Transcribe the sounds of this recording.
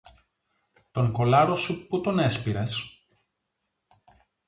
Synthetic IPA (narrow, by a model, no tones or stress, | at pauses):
t̪o̞ŋko̞lɐɾo̞suput̪o̞ne̞spiɾes